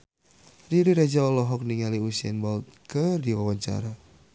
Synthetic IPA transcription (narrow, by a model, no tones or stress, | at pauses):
diɾiɾad͡ʒaɔlɔɦɔk̚niŋaliusiɛ̰nbɔlt̪̚kərdiwawaɲt͡ʃa̰ɾa